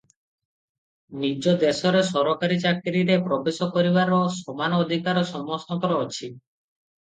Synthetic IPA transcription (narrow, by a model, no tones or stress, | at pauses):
nid͡ʒod̪esɔɾesɔɾokaɾit͡ʃakɾiɾepɾɔbesɔkoɾiβaɾosɔmanɔːd̪ʱikaɾɔsɔmɔsnɔk̪ɔɾɔɔt͡ʃʰi